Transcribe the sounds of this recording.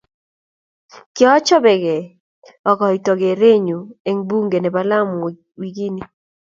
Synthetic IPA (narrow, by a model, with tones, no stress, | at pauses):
kɪ˦ɔ˦t͡ʃɔ˦bɛ˨ɡe˨ | ɔ˨kɔ˨i˨tɔ˨ɡe˨ɾe˦ɲu˨e˨ŋbu˦ŋɡe˨nɛ˨ba˦la˦m | wi˨˦ɡi˦ni˦